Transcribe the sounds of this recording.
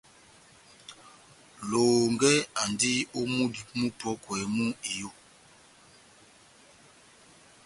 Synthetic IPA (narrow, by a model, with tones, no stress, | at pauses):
loː˨ŋɡɛ˦a˨ndi˦o˦mu˦di˨˦mũ˦pɔ˦kwɛ˨˦mu˦i˨jo˦˨